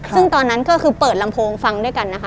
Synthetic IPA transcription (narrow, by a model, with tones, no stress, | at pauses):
sɯ˥˩ŋt̪ɔː˧nːa˦˥nkɔː˥˩kʰɯː˧pɤː˨˩t̪̚la˧mpʰoː˧ŋfa˧ŋdu˥˩əjka˧nːa˦˥kʰ